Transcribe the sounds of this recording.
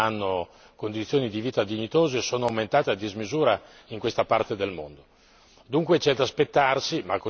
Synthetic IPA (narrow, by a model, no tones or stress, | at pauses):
anːo | kond̪it̪sːjoːnid̪iviːt̪ad̪iɲit̪oːzeːsoːnoawment̪aːt̪ead̪izmizuːɾa | iŋkwest̪apart̪ed̪elmo̰nd̪o | d̪uŋkwet͡ʃɛd̪aspet̪ːarsimakːo